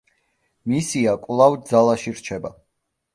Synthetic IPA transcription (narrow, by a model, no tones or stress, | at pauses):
misiakʼvlˠavd̪zalˠaʃiɾt͡ʃʰɛba